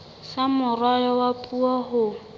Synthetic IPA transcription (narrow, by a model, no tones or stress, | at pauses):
samʊrwajɔwapʼuahʊ